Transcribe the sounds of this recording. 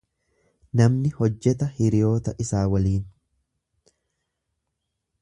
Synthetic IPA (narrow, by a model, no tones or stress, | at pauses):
nɐmnɪhɔd͡ʒːɛt̪ɐhɪɾɪjo̞ːt̪ɐʔɪsaːwɐliːn